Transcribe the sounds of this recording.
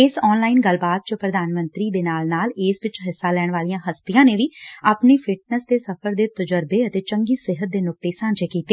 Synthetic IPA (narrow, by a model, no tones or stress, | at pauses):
ɪsɔːnlaːɪnɡəlbaːt̪̚t͡ʃəpɾəd̪aːnmə̃nt̪ɾiːd̪eːnaːlnaːlɪsʋɪt͡ʃɦɪsːaːlɛːɽ̃ɳʋaːlijãːɦəst̪ijãːneːʋiːaːpniːpʰɪʈ̚nəsd̪eːsəpʰəɾd̪eːt̪əd͡ʒəɾbeːət̪eːt͡ʃəŋɡiːsɪɦət̪̚d̪eːnʊk̚t̪eːsãːnd͡ʒeːkiːt̪eː